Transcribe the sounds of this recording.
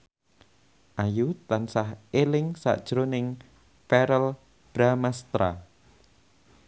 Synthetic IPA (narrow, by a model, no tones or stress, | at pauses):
ʔajut̪ansahelɪŋsa̰ʔd̥ʒ̥ɾonɪŋ | fɛɾəl | b̥ɾamast̪ɾa̰